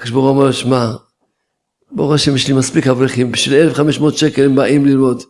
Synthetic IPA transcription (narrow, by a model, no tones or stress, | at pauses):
kaʃboʁuamaloʃma | boʁeaʃemeʃlimaspikhavʁiχimbiʃvilelefχameʃmeot̪ʃekelembaʔimlilmo̞d̪